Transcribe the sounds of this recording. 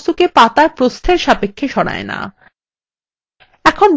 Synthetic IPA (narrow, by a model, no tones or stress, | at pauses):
t̪ukepat̪aɾpɾost̪ʰeɾʃapekʰːeʃɔɽ̃a̰ena̰ | ɛkʰon